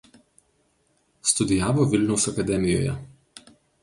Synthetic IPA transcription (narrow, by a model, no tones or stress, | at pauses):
st̪ud̪ijaːʋɔʋilnusakad̪ɛːmijɔ̰ja̰